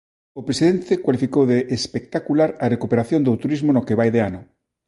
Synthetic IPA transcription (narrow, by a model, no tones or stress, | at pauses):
opɾesiðent̪ekwalifikowðeʔːspek̚t̪akulaɾɐrekupeɾaθjõnd̪ot̪uɾizmonokeβajðeanʊ